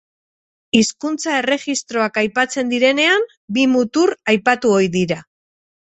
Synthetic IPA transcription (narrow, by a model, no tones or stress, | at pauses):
iskunt͡sae̞re̞ɣist̪ɾo̞akajpat͡se̞nd̪iɾe̞ne̞am | bimut̪uɾajpat̪uojðiɾa